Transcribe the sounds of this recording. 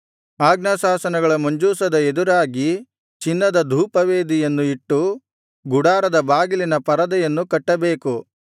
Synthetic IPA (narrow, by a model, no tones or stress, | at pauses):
aːɡnɐsaːsɐnɐɡɐɭɐmɐɲd͡ʒuːsɐd̪ɐed̪uɾaːɡi | t͡ʃinːɐd̪ɐd̪ʱuːpɐʋe̞ːd̪ijɐnːuiʈːu | ɡuɽaːɾɐd̪ɐbaːɡilinɐpɐɾɐd̪ɐjɐnːukɐʈːɐbe̞ːku